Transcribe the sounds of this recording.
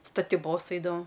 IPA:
stɐtʲɪˈboːs ˈɛɪdɐʋoːm

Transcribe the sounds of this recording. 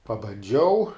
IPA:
pɐbɐnʲˈd͡ʒʲɛʊ

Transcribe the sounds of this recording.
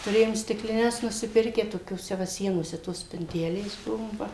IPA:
tʊˈrʲeːjoːm sʲtʲɪklʲɪˈnʲɛs nʊsʲɪˈpʲɪrʲkʲæː toːkʲoːˈsʲɛ ˈʋɐ ˈsʲiɛnoːsʲɛ toːs sʲpʲɪnʲˈtʲæːlʲeːs ˈbʊʋoː ˈʋɐ

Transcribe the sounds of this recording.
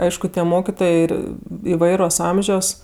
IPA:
ˈɐɪʃkʊ tʲiɛ ˈmoːkʲɪtoːjeː ˈɪr ɪˈʋɐɪroːs ˈɐmʲʒʲoːs

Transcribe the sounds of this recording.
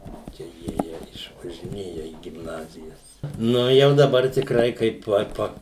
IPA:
ˈt͡ʃʲɛ ˈjiɛjiɛ ɪʃʋɐʒʲɪˈnʲeːjɛ iː ɡʲɪmˈnɑːzʲɪjɛs ˈnʊ jɛʊ dɐˈbɐr tʲɪkˈrɐɪ kɐɪp ˈoːt ˈpɐ

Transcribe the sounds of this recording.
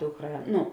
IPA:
ˈdʊkˌrɑː ˈnʊ

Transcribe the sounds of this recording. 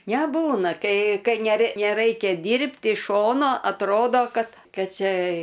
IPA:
nʲɛˈbuːnɐ ˈkɐɪ ˈkɐɪ nʲɛrɐɪ nʲɛˈrɐɪkʲɛ ˈdʲiːrʲpʲtʲ ɪʃ ˈʃoːnoː ɐtˈroːdoː ˈkɐt ˈkɐt ˈt͡ʃʲɛ

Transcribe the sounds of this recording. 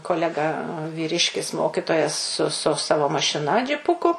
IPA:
koːˈlʲæːɡɐ ʋʲiːˈrʲɪʃʲkʲɪs ˈmoːkʲɪtoːjɛs sʊ sʊ ˈsɑːʋoː mɐʃʲɪˈnɐ d͡ʒʲɪˈpʊkʊ

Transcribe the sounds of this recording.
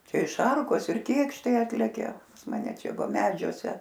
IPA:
ˈt͡ʃʲɛ ɪ ˈʃɐrkoːs ɪr ˈkʲeːkʃtɐɪ ˈɑːtʲlʲɛkʲɛ pɐs mɐˈnʲɛ ˈt͡ʃʲɛ ˈʋɐ ˈmʲæːd͡ʒʲuɔsʲɛ

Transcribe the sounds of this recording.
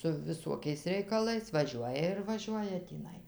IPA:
sʊ ʋʲɪˈsuɔkʲɛɪs rʲɛɪkɐˈlˠɐɪs ʋɐˈʒʲuɔjɛ ɪr ʋɐˈʒʲuɔjɛ tʲiːˈnɐɪ

